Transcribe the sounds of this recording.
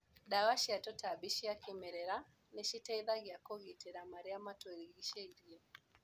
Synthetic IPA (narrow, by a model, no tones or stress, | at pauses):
ɗawaʃiatɔtabiʃiakimɛɾɛɾa | nɛʃitɛiðaɣjakɔɣitɛɾamaɾiamatɔɾiɣiʃɛiɾiɔ